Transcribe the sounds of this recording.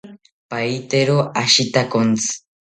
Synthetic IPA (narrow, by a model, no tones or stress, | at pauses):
pajt̪eɾoʔaʃit̪akont͡sɨ̥